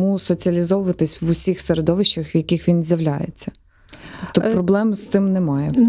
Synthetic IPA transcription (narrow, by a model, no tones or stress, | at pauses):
musɔt͡sʲiɐlʲizɔʋʊʋɐt̪ɪsʲʋʊsʲixseɾed̪ɔʋɪʃt͡ʃɐxʋjɐkʲixʋʲinzʲjɐʋlʲajḛt͡sʲːɐ̥ | pt̪ɔpɾɔblˠɛmɪst̪ɪmnemɑjɛ